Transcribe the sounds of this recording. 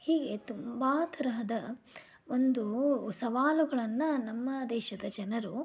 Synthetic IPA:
hiːɡe̞t̪umbaːt̪ʰɐɾɐɦɐd̪ɐ | ond̪usɐʋaːluɡɐɭɐnːɐnɐmːɐd̪ɛːʃɐd̪ɐd͡ʒɐnɐɾu

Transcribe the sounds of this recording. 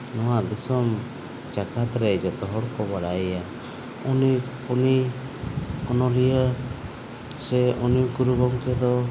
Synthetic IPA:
nɔwad̪isɔm | t͡ʃakʰat̪ɾɛd͡ʒɔt̪ɔɦɔɽkɔbaɽajja | uni | uni | ɔnɔlija | sɛunikuɾuɡɔŋkɛd̪ɔ

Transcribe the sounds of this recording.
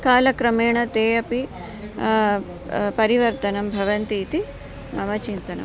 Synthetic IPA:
kaːlɐkɾɐmeːɳɐt̪eːjɐpi | pɐɾiʋɐɾt̪ɐnɐmbʱɐʋɐnt̪iːt̪i | mɐmɐt͡ʃint̪ɐnɐ̰m

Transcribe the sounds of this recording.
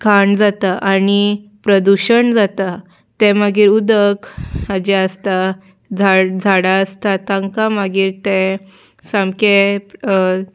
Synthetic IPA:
kʰaɳd͡zat̪aʔanipɾəd̪uɕəɳd͡zat̪a | t̪ɛ̃məɡiːɾud̪əkhəd͡ʑɛəst̪a | d͡zʱad͡zʱaɽaəst̪at̪ãŋkamaɡiːɾt̪ẽ | sãmke

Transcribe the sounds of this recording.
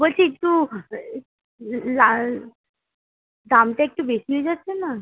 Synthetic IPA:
bolt͡ɕʰiekʈu | la | d̪amʈeek̚ʈubeʃiɦojd͡ʑatːɕʰena

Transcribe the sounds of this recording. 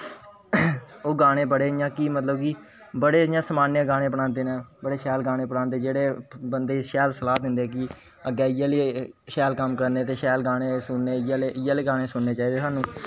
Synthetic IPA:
oːɡaːɽ̃eːbəɽeːjãːkiːmət̪ləbkiː | bəɽeːjãːsəmaːnjãːɡaːɽ̃ẽːpəɽãːnd̪eːnẽːbəɽeːʃɛːlɡãːɽ̃ẽːpəɽaːnd̪eːd͡ʒeːɽeːbənd̪eːʃɛːlsəlaːt̪ɦɪ̃nd̪eːk̬ɪ | əɡɛːɪjaːleːʃɛːlkəmkəɾneːt̪eːʃɛːlɡãːɽ̃ẽːsʊnːeːjaleːɪjaːleːɡaːɽeːsʊnːeːt͡ʃaːiːd̪eːsaːnũː

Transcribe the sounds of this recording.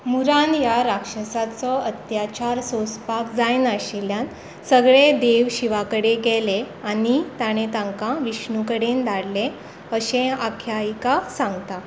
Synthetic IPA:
muɾanjaɾakʂəsat͡sɔət̪jat͡ɕaɾsospakd͡zajnəɕeljãn | səɡɭed̪eʋɕiʋakəɽeɡɛle | anit̪aɽ̃et̪ãŋkãʋiɕnukəɽend̪aɽlẽ | əɕẽakʰjaikasãŋɡt̪a

